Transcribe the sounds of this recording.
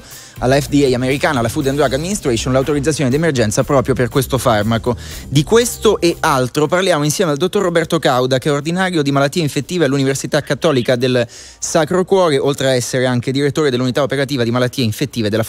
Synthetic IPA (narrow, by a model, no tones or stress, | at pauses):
alːaɛfd̪iɛjameɾikaːnalafud̪ɛnd̪aɡad̪minist̪ɾɛsonlawt̪oɾid̪zat̪sjoːned̪iemerd͡ʒɛnt̪sapɾɔːpɾjoperkwest̪ofarmakod̪ikwest̪oʔeʔalt̪ɾoparljaːmoinsjɛːmeald̪ot̪ːorːobɛrt̪okawd̪akeɛord̪inaːɾjod̪imalat̪ːiːeiɱfet̪ːiːvealːuniversit̪akːat̪ːɔːlikad̪el | sakɾokwɔːɾeʔolt̪ɾeaɛsːeɾeaŋk̟ed̪iɾet̪ːoːɾed̪elːunit̪aopeɾat̪iːvad̪imalat̪ːiːeiɱfet̪ːiːved̪elːa